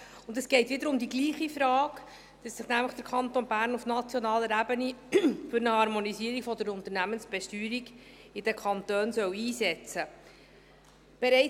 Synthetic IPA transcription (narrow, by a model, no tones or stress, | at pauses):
ʊndɛsɡ̥ɛɪtʋɪd̪əɾʊmd̪iɡliːχifɾɑːk | d̥ɑsːɪχnæmləχd̥əɾkʰɑnt̪onbæːɾnufnɑt͡sjɔnɑːləɾæbənifʏɾnəhɑɾmonisiːəɾikfɔd̪əɾʊnt̪əɾnæmənsb̥ɛʃtyːɾiɡ | ɪd̥ɛkʰɑnt̪øːnsœwiːsɛt͡sə | b̥ɛɾɛɪ